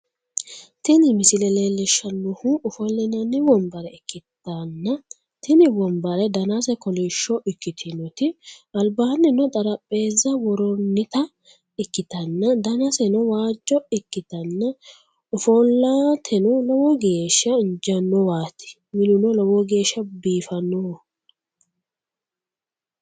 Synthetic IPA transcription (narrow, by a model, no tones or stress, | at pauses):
t̪ɪnɪmɪsɪlɛleːlːɛʃːɐnːɔhuʊfɔlːɛnɐnːɪwɔmbɐɾɛɪkːɪt̪ːɐnːɐ | t̪ɪnɪwɔmbɐɾɛd̪ɐnasɛkɔlɛʃːɔʔɪkːɪt̪ʰɪnɔt̪ɪɐlbaːnːɪnɔt̪ʼɐɾɐpʼːe̞ːzːɐwɔɾɔnːɪt̪ɐ | ɪkːɪt̪ɐnːɐd̪ɐnɐsɛnɔwaːd͡ʒːɔɪkːɪt̪ɐnːɐ | ʊfɔlːaːt̪ʰɛnɔlɔwɔɡe̞ːʃːɐɪnd͡ʒɐnːɔwaːt̪ɪ̥ | mɪlʊnɔlɔwɔɡe̞ːʃɐbiːfɐnːɔ